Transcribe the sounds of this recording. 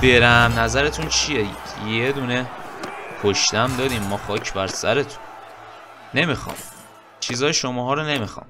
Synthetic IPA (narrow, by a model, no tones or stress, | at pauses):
b̥e̞ɾæmnæzæɾe̞t̪ʰunt͡ʃʰijejed̪uːne | kʰoʃt̪æmd̪ɒːd̪iːmːɒxɒːcʰbæɾsæ̰ɾe̞t̪ʰu̥n | ne̞mixɒ̰ːm | t͡ʃʰiːzɒːjeʃomɒːɦɒːɾone̞mixɒ̰ːm